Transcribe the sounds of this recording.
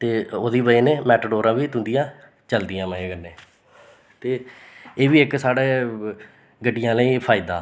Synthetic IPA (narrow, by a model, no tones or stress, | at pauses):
t̪eːoːd̪iːbəeːneːmɛːʈəɖoːɾãːʋiːt̪ʊ̃nd̪ɪjãː | t͡ʃəld̪ɪjãːməẽːɡənːẽː | t̪eː | eːʋiːɪksaːɽeː | ɡəɖːɪjãːləiːpʰaːɪid̪a̰ː